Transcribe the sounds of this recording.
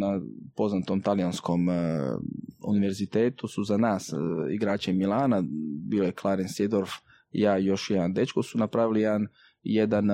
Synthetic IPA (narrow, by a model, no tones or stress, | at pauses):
napo̞znat̪omt̪alijansko̞m | ṵniʋe̞ɾzit̪eːt̪usuzanaːsḭɡɾaːt͡ʃamilˠaːnabiːlojeklˠaɾensed̪oɾf | jaːjo̞ʃjed̪and̪et͡ʃkosunapɾaːʋilijed̪an | jed̪an